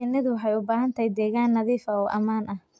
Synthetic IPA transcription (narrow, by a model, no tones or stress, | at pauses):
ɪnːɪðʊħɛjʊbaːhɐnt̪ʰɐjd̪ɛːɣaːnːɐðiːfɐɔːʔɐmaːnʔɐh